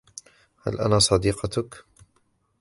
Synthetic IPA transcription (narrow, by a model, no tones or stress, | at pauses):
ha̰lʔa̰naːsˤɑd̪iːqɑt̪ʊk